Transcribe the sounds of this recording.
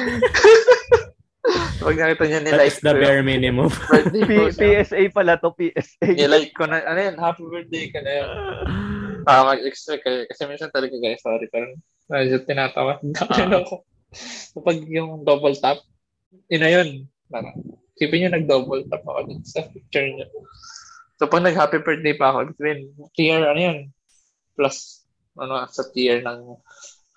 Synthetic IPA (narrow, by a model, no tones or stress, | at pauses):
kɐpɐɡ̚nɐkiːt̪ɐɲɐnɪlajkd̪ɐɛɹminɪmʊmapipiʔɛsʔejpɐlat̪opiːʔɛsʔejnɪlajk̚kːonɐʔɐnojonhafwɛɹd̪ejkonɐjon | aɐmɐɡɛkst̪ɛkɐjɛkɐsɛminsɐnt̪ɐlɐɡɐɡasoːɾɪpɛɾon | mɐd͡ʒʊt̪ːɪnaːt̪ɐ̰wat̪̚ɐɪnɐko | kɐpɐɡjʊŋd̪oːbɐlt̪ap̚ | ʔɪnɐjon | paɾɐ̰ | kiːpɪɲɐnɐɡ̚d̪oːbɐlt̪ap̚nɐ̰ʔo̰d̪ʊnsɐpik̚t͡ʃʊɹɲo | sopɐɡ̚nɐɡ̚haːpibɛɹt̪̚d̪ejpɐɐkoʔɛb̚t̪ɐbɪnt̪iɛɹɐnojon | plɐs | ʔɐnosɐt̪iɛɹnɐŋ